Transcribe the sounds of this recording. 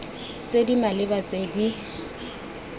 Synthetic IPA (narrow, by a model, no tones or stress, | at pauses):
t͡sʼedimalɪbat͡sʼedi